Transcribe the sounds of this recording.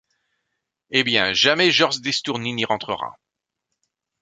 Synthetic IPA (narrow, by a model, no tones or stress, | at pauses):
ebjɛ̃ʒamɛʒɔʁʒd̪est̪uʁniniʁɑ̃t̪χəʁa̰